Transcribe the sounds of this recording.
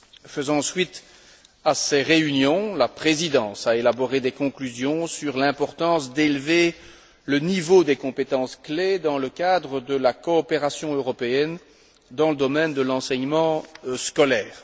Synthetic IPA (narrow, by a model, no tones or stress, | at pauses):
fəzɑ̃sɥit̪ | asɛʁeynjɔ̃lapχezid̪ɑ̃saelabɔʁed̪ɛkɔ̃klyzjɔ̃syʁlɛ̃pɔʁt̪ɑ̃sd̪elve | lənivod̪ekɔ̃pet̪ɑ̃skled̪ɑ̃ləkad̪ʁəd̪əlakɔːpeʁasjɔ̃øʁɔpeɛn | d̪ɑ̃ləd̪ɔmɛnd̪əlɑ̃sɛɲmɑ̃skɔlɛːʁ